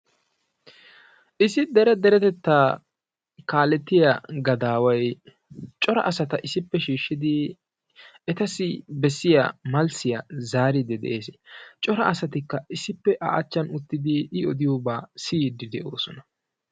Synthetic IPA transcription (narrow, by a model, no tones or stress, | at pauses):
ʔɪsɪd̪ɛɾɛd̪ɛɾɛt̪ɛt̪ːaː | kaːlɛt̪ːɪjaɡɐd̪aːwɐj | t͡ʃʼɔɾɐ̰ʔɐsɐt̪ɐʔɪsɪpːɛʃiːʃːɪd̪ɪ | ɛt̪ɐsɪbɛsːɪja̰mɐlsɪjɐzaːɾɪd̪ɛd̪ʔḛːst͡ʃʼɔɾɐʔɐsɐt̪ɪkːɐɪsɪpːɛʔa̰ʔɐt͡ʃːɐnʊt̪ːɪd̪ɪɪɔd̪ɪjoːbaːsiːd̪ɪd̪ɛʔoːsɔnɐ̥